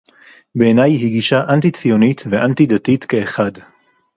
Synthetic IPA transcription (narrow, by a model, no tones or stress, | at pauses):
be̞ːnajhiɡiʃaʔantit͡sijo̞nitveʔantidatitkeːχad